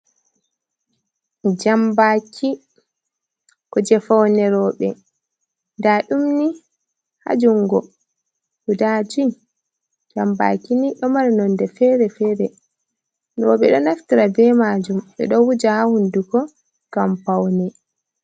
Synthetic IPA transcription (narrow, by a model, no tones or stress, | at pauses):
d͡ʒambakʰi | kɔd͡ʒɛfawnɛɾɔːɓɛ | ndaɗumni | ha̰d͡ʒuŋɡɔ | hudad͡ʒi | d͡ʒamba̰kiniɗɔmaɾinɔndɛfɛɾɛfɛːɾɛ | ɾɔɓɛɗɔnaftiɾabɛmad͡ʒumʔɛ̰ɗɔwud͡ʒahahundukɔ | ɡ̥ampawnɛ